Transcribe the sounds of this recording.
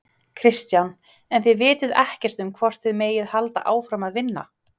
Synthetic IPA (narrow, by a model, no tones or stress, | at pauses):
kʰɾɪst̪jan | ɛnθɪðvɪːt̪ɪðɛhcɛr̥t̪ʏmkʰvɔr̥t̪θɪðmeːjɪðhalt̪a̰ʔaːwfɾamaðvɪnːa̰